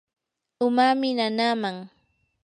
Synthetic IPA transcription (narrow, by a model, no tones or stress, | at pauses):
ʊmamɪnanaːmaŋ